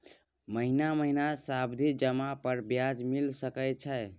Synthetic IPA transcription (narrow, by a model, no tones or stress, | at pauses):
məɦinaməɦinasabd̪ʱid͡ʒəmapəɾbjad͡ʒmilsəkɛt͡ʃʰəj